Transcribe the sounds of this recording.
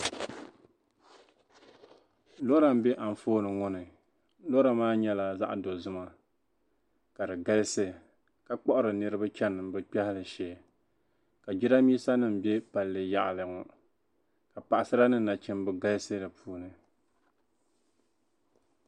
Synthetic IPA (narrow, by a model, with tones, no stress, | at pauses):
lo˦ɾa˨m̩˦bɛ˦ʔa˨m̩˨foː˦nɨ˨ŋɔ˦nɨ˨ | lo˦ɾa˨maː˦ɲɛ˦la˨za̰˦ʔdo˨zɨ˦ma˦ | ka˨dɨ˨ɡa˦lsɨ˦ | ka˨k͡pɔ˦ʔʊ˦ɾɨ˨nɨ˦ɾɨ˦ba˦t͡ʃɛ˦nːɨ˨mbɨ˦k͡pɛ˦hɪ˦lɨ˨ʃɛː˨ | ka˨d͡ʒi˦ɾa˦miː˦sa˦nɨ˦m̩˨bɛ˦pa˨lːɨ˨ja̰˨ʔlɨ˨ŋʊ˨ | ka˨pa˨ʔa˨sɨ˦ɾa˦nɨ˦˨na˨t͡ʃɪ˦mbɨ˦ɡa˦lɨ˦sɨ˦dɨ˨pʰuː˦nɨ˨